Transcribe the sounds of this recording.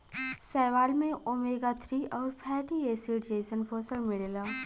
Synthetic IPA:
sɛːʋaːlmẽʔomeːɡat̪ʰɾiʔɔːɾpʰɛːʈieːsiʈd͡ʒeːsənpʰoːsəlmɪɭeːlaː

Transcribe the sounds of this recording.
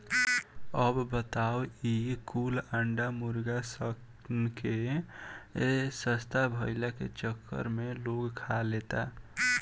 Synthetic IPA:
əbbət̪awikuləɳɖamuɾɡasək | nke | səst̪abʱəɪlakḛt͡ʃəkːə̰ɾmeloɡkʰalet̪a̰

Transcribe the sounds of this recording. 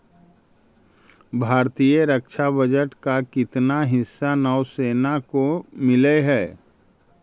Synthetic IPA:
bʱaːɾt̪ijəɾəkʃʰabəd͡ʒəʈkakɪt̪naɦɪsːanɔʊseːnakomɪleɦɛː

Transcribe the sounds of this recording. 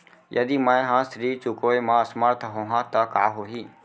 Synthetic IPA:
jʔɐ̰d̪imə̃jɦãsɾiːt͡ʃʊkoːemãɐsməɾt̪ʰɦoːɦãt̪ɐka̰ːɦoːɦiː

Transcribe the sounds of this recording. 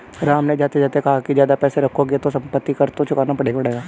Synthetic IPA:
ɾaːmned͡ʒaːt̪ed͡ʒaːt̪ekɐɦakizjaːd̪apɛːseɾɐkʰoɡet̪osɐ̃mpət̪ːikɐɾt̪ot͡ʃʰʊkaːnapɐɽeːɡaɐɽeːɡaː

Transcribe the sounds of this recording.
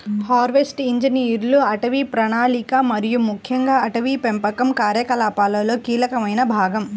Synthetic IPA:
haːɾʋesʈiɲd͡ʒiniɐɾluɐʈɐʋipɾɐnaːlikamɐɾijumukʰjɐŋɡaːɐʈɐʋipempɐkɐmkaːɾjɐkɐlaːpaːlɐlo̞ːkiːlɐkɐmɐjnɐbʱaːɡɐm

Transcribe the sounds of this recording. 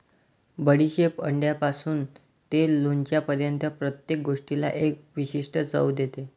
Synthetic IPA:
bəɽiɕepə̰ɳɖjapasuːn | t̪eloɲt͡ɕjapəɾjənt̪əpɾət̪jek̚ɡoʂʈila̰ʔek̚ʋiɕiʂʈət͡sə̰ʋd̪et̪e

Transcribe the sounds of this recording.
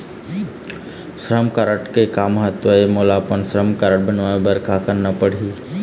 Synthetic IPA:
sɾəmkaɾəʈkekaməɦət̪ʋəemolaːpənsɾəmkaɾəʈ̚bənʋaebɐɾkakəɾnapəɽ̤iː

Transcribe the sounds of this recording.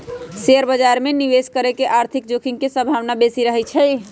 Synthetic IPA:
seəɾbəd͡ʒaɾmeniʋeskəɾekeʔaɾt̪ʰik̚d͡ʒokʰiŋɡkesəbʱawnabesiɾəɦɛt͡ʃʰɛ

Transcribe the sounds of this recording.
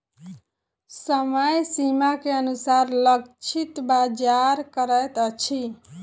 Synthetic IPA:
səməjsimakeənusaɾləkt͡ʃʰit̪bad͡ʒaɾkəɾət̪ət͡ʃʰi

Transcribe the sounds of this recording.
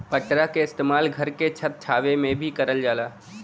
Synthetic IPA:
pəʈɾakeɪst̪eːmaːlɡʱɐɾket͡ʃʰət̪̚t͡ʃʰaːʋemẽbʱikɐɾəld͡ʒaːlaː

